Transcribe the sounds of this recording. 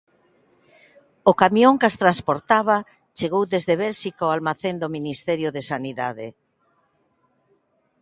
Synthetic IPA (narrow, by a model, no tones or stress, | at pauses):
okamjoŋkast̪ɾanspoɾt̪aβ̞a | t͡ʃeɣowðezðeβɛlʃikaoalmaθend̪ominist̪ɛɾjʊðesaniða̰ðe